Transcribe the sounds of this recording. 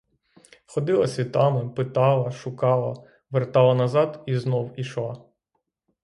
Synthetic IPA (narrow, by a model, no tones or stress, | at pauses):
xɔd̪ɪlˠɐsʲit̪ɑmɪpɪt̪ɑlˠɐʃʊkɑlˠɐ | ʋert̪ɑlˠɐnɐzɑd̪iznɔwiʃlˠɑ